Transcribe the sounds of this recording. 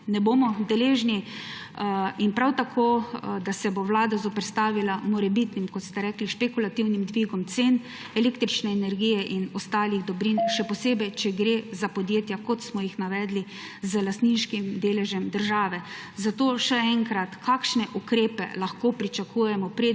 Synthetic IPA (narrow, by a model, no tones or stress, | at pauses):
nɛbomɔd̪ɛleːʒni | inpɾawt̪akʰod̪asɛbowlaːd̪azɔpɛɾst̪aːʋilamɔɾɛbit̪nimkɔt̪st̪ɛɾɛːkliʃpɛkulat̪iwnimd̪ʋiːɡɔmt̪seːn | ɛleːkt̪ɾit͡ʃnɛːnɛɾɡijɛʔinɔst̪aːliɣd̪ɔbɾinʃɛpɔseːbɛjt͡ʃɛɡɾezapɔd̪jeːt̪jakɔt̪smɔjixnaʋɛːd̪li | zəlast̪ninʃkimd̪eːlɛʒɛmd̪əɾʒaːʋɛ | zat̪oːʃɛɛŋkɾat̪kʰaːkʃnɛʔukɾeːpɛ̰laxkoːpɾit͡ʃakuːjɛmɔpɾe